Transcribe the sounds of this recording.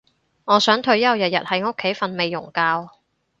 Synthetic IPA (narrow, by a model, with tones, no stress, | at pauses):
ŋɔː˨˧sœː˨˥ŋt̪ʰɵ˧ɥjɐ˥wjɐ˨t̚jɐ̰˨t̚hɐ˨˥jo˥kʰːe˨˥jfɐ˧nme˨˧jːʊ˨˩ŋkaː˧w